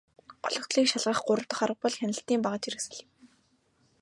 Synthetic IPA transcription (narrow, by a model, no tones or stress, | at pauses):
ɢɔɮɞ̆kt̪ɮiːkʃaɮʁə̆χɢʊɾə̆w̥t̪ə̆χaɾə̆q̚pɔɮxʲænʲɪ̆ɬt̪iːmpaʁə̆t͡ɕiresɘ̆ɮĭw